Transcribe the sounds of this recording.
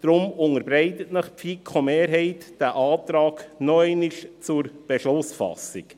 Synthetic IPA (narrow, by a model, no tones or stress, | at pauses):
d̪̥ɾʊmʊŋəɾbɾɛɪtətnəχpfikʰomeːɾɦɛɪtd̥æʔɑːtɾɑːknɔɛɪniʃt͡sʊɾb̥ɛʃlʊsfɑ̰sik